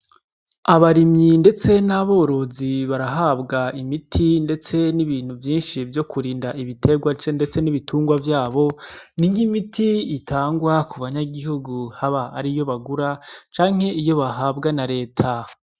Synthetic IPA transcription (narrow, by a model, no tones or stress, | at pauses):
aβaɾimɲinde̞t͡se̞naβo̞ːɾo̞ziβaɾaɦabɡaimitʰinde̞t͡se̞niβiːn̥huvjiːnʃivjo̞kuɾiːndaʔiβitʰe̞ɡwat͡ʃende̞t͡se̞niβitʰuːŋɡwavjaːβo̞niŋ̥himitʰiitʰaːŋɡwakuβaɲaɡiɦuɡuhaβaaɾijo̞βaɡuɾat͡ʃaːŋ̥e̞ʔijo̞βaɦaːbɡanaɾe̞ːtʰa